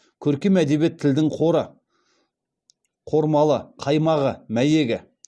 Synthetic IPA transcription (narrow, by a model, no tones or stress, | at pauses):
kʲʰɵɾkʲemæd̪e̞bje̞t̪ʰːɪld̪ɪŋqʰo̞ɾə | qʰo̞ɾmɑlˠəqʰɑjmɑʁəmæje̞ɡʲɪ